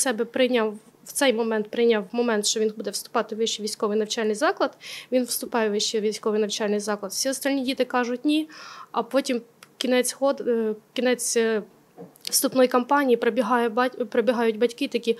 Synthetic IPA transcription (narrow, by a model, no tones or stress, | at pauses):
sɛbɛpɾɪjnʲaw | wt̪sɛjmɔmɛnt̪̚pɾɪjnʲawmɔmɛnt̪ʃt͡ʃɔʋʲinbud̪ɛwst̪ʊ̥pɑt̪ɪʋɪʃt͡ʃiʋʲijsʲkɔʋɨjnɐwt͡ʃɑlʲnɪjzɑklˠɐd̪ʋʲinwst̪ʊpɑjɛʋɪʃt͡ʃɛʋʲisʲkɔʋɪjnɐwt͡ʃɑlʲnɪjzɑklˠɐd̪fsʲiɔst̪ɑlʲnʲidʲit̪ɪkɑʒʊtʲnʲiɐpɔtʲimkʲinɛt͡sʲhɔd̪kʲinɛt͡sʲ | st̪ʊpnɔjikɐmpɑnʲijipɾɔbʲiɦɑjɛbɑpɾɔbʲiɦɑjʊdʲbɐtʲkɪt̪ɐkʲi